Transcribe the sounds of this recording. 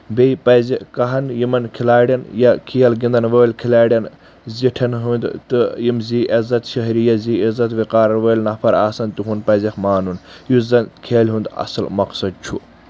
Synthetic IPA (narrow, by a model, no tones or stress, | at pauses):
bejpɐzikɐɦɐnjimɐnkʰilaːɽʲɐnjɐkʰijɐlɡind̪ɐnʋəːlʲkʰilaːɽʲjɐn | ziʈʰɐnɦund̪t̪ɨjimziʔɐzɐt̪ʃɐɦɾijɐziːizɐt̪ʋiqaːɾɐʋəːlʲnɐpʰɐɾaːsɐnt̪uɦunpɐzixmaːnunjuzɐnkʰeːlʲɦund̪ɐ̰sɐlmɐqsɐd̪̚t͡ʃʰu